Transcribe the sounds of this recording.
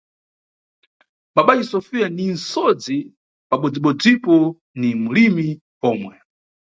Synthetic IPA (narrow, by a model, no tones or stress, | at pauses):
ɓaɓaisɔfijaninsɔd͡zi | paɓɔd͡ziɓɔd͡zipɔ | nimulimi | ɔːmwɛ